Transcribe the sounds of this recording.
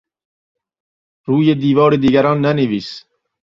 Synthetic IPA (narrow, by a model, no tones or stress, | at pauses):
ɾuːjed̪iːvɒːɾed̪iːɡæɾɔːnːæneviːs